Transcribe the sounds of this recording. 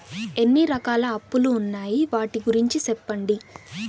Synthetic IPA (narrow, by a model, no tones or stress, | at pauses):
e̞nːiɾɐkaːlɐːpːuluːnːaːjiʋaːʈiɡuɾiɲt͡ʃisɛpːɐɳɖi